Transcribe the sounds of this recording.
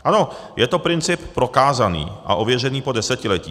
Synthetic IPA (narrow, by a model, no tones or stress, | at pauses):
ʔano̞ | jɛt̪o̞pɾɪnt͡sɪppːɾo̞kaːzanḭːʔa̰ʔo̞vjɛr̝ɛniːpo̞dɛsɛcɪlɛciː